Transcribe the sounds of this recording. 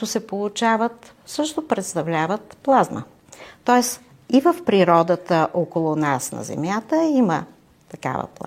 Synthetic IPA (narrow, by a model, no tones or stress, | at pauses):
t̪ʊsɛpolˠʊt͡ʃavət̪ | sɤʃt̪opɾɛt̪st̪ɐvlʲavət̪plˠazmə̰ | t̪ɔɛs | ivəfpɾiɾɔd̪ət̪əʔokolˠʊnasnɐ̰zɛ̰mjat̪əimə | t̪ɐka̰və̰plˠ